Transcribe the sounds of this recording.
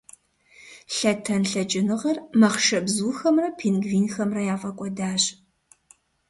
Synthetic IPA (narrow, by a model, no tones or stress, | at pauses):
ɬɐtʰɐnɬɐt͡ʃʼɪnɨʁɐrmɐχʃɐbzuːxɐmrɐpʰeːnɡviːnxɐmrɐjaːfʼɐkʷʼɔdaːɕ